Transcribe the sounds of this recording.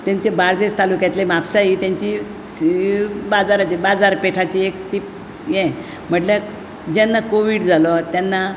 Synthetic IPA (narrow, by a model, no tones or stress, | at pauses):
t̪jãɲt͡ɕebaɾd͡z̪est̪alukjãt̪lemapsaɦit̪jãɲt͡ɕi | bad͡zaɾat͡ɕibad͡zaɾpeʈʰat͡ɕiekt̪ip | jɛ̃ | m̤əʈlja | d͡ʑɛnːakoʋiɽd͡zʱalɔt̪janːa